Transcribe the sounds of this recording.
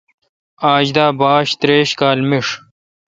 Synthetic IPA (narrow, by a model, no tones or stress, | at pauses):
aːd͡ʑd̪aːbaːɕt̪ɾeːɕkaːlmiʂ